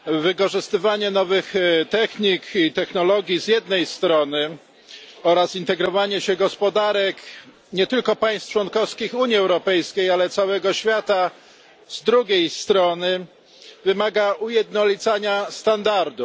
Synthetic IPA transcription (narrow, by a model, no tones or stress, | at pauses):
vɘkɔʐɘst̪ɘvaɲɛnɔvɘxt̪ɛxɲikit̪ɛxnɔlɔɡʲizʲjɛd̪nɛjst̪ɾɔnɘ | ɔɾasint̪ɛɡɾɔvaɲɛɕɛɡɔspɔd̪aɾɛk | ɲɛt̪ɘlkɔpaj̃st̪t͡ʂwɔnkɔfskʲixuɲiɛwɾɔpɛjskʲejalɛt̪sawɛɡɔɕfʲjat̪a | zd̪ɾuɡʲejst̪ɾɔnɘ | vɘmaɡaʔujɛd̪nɔlʲit̪saɲast̪and̪aɾd̪u